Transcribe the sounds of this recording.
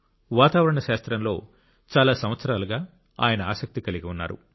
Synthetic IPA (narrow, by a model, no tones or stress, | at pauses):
ʋaːt̪aːʋɐɾɐɳɐʃaːst̪ɾɐmlo̞ː | t͡ʃaːlaːsɐmʋɐt̪sɐɾaːlɐɡaː | a̰ːjɐnɐa̰ːsɐk̚t̪ikɐliɡiunːa̰ːɾṵ